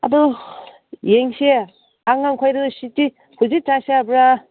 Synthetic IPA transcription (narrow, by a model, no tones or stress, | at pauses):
a̰dɔ | jeŋse | aŋaŋkʰajɾɯsiti | hʰuzitaseabɾa